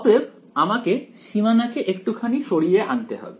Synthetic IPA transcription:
ɔbeb | amakeʃimanakeʔekʈukʰaniʃoɽijeʔant̪eɦɔ̰be

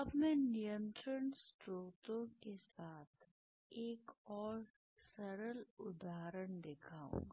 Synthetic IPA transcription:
ɐbmɛ̃ːnijə̃nt̪ɾənsʈɾoːt̪õkesaːt̪ʰ | eːkɔːɾ | sɐɾəlʊd̪ʱaːɾəɳd̪eːkʰaːṵ̃ŋɡa

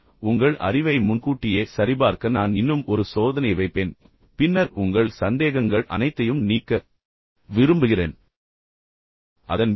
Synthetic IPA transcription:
ʊŋɡɐɭʔɐ̰rɪʋɐɪmʊnkuːʈːɪjeːsɐɾɪbaːɾkɐnaːnɪnːɯmɔɾɯsoːðɐnɐɪʋɐɪpːeːn | pɪnːɐɾʊŋɡɐɭsɐnd̪eːɣɐŋɡɐɭʔɐ̰nɐɪt̪ːɐjɯmniːkːɐ | ʋɪɾɯmbɯɣɪreːn | ʔɐðɐn

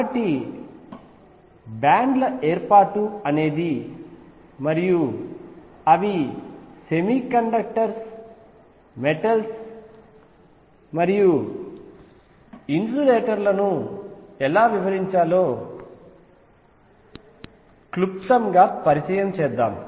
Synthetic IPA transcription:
ɐʈi | baːɳɖlɐeːɾpaːʈuɐne̞ːd̪i | mɐɾiju | ɐʋise̞miːkɐɳɖɐk̚ʈɐɾs | meʈɐls | mɐɾiju | insuːleːʈɐɾlɐnu | ɛlaːʋiʋɐɾiɲt͡ʃaːlo̞ː | klupsɐmɡaːpɐɾit͡ʃɐjɐmt͡ʃɛːd̪ːaːm

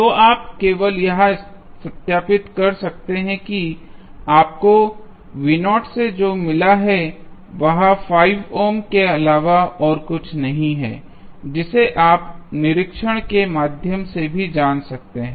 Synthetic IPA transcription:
t̪oʔaːp̚keːʋəljɐɦã | sɐt̪jaːpɪt̪kɐɾsɐk̚t̪eɦɛ̃kiaːp̚ko | ʋɪnɔːʈsed͡ʒoːmɪlaɦɛ | ʋɐɦãfaːɪʋoːmkeɐlaːʋaɔːɾkʊt͡ʃʰnɐɦĩɦɛ̰ː | d͡ʒɪseʔaːpnɪɾɪkʃəɽ̃kemaːd̪ʱjəmsebʱid͡ʒaːnsɐk̚t̪eɦɛ̃ː

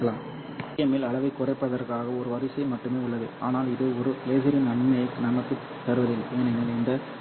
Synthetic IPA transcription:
ɐlaːm | jɐmɪlɐɭɐʋɐɪkːʊrɐɪpːɐðɐɾkaːɣɐɔɾɯʋɐɾɪsɐɪmɐʈːɯmeːʊɭːɐðɯ̰a̰ːnaːlɪðɯɔɾɯleːɣɪɾɪnɐɳmɐjɐkːɯnɐmɐkːɯ | t̪ːɐɾɯʋɐðɪleːnɐnɐlɛnd̪ɐ

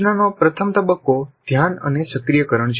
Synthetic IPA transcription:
nanopɾət̪ʰəmt̪əbəkːod̪ʱjanə̰nesəkɾijəkəɾəɳd͡ʒ

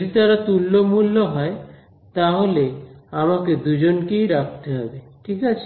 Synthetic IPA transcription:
d̪it̪aɾat̪ulːomulːoɦɔe | t̪aɦoleamaked̪ud͡ʑonkejɾak̚ʰt̪eɦɔbeʈʰikat͡ɕʰe̥

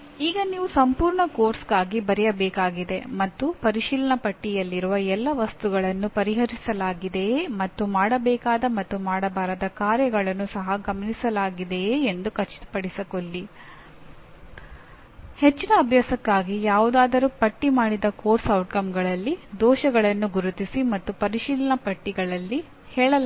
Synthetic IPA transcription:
iːɡɐniːʋusɐmpuːɾɳɐkoːɾsɡaːɡibɐɾɛjɐbɛːkaːɡid̪e̞mɐt̪ːupɐɾiʃiːlɐɳɐpɐʈːijɐlːiɾuʋɐɛlːɐʋɐst̪uɡɐɭɐnːupɐɾiɦɐɾisɐlaːɡid̪e̞mɐt̪ːumaːɽɐbɛːkaːd̪ɐmɐt̪ːumaːɽɐbaːɾɐd̪ɐkaːɾjɐɡɐɭɐnːusɐɦɐɡɐmɐnisɐlaːɡid̪e̞ːnd̪ukɐt͡ʃːi̥t̪ɐ̥pɐɽisɐkolːi | het͡ʃːinɐːbʱjaːsɐkːaːɡijaːʋud̪aːd̪ɐɾuːpɐʈːimaːɽid̪ɐkoːɾsɐwʈkɐmɡɐɭɐlːid̪ɔːʃɐɡɐɭɐnːuɡuɾut̪isimɐt̪ːupɐɾiʃiːlɐɳɐpɐʈːiɡɐɭɐlːi | hɛːɭɐl

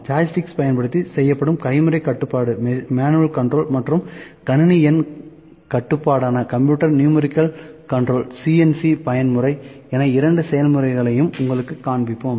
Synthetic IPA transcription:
d͡ʒaːjɪsʈɪkspɐjɐnpɐɽɯt̪ːisɛjːɐpːɐɽɯmkɐɪmɯɾɐɪkɐʈːɯpːaːɽɯmaːnɯɐlkɐɳɖɾoːlmɐʈrɯmkɐnniɛn | kɐʈːɯpːaːɽaːnɐkɐmpjuːʈːɐɾnjuːmɛɾɪkːɐlkɐɳɖɾoːlsiːɛnsipɐjɐnmɯɾɐɪ | eːnaɪɾɐɳɖɯsɛjɐlmɯɾɐɪɣɐɭɐjɯmʊŋɡɐɭɯkːɯkːaːɳbɪpːoːm

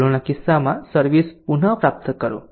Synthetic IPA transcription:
lonakisːamasəɾʋispun̤əpɾap̚t̪ʰəkəɾo̰

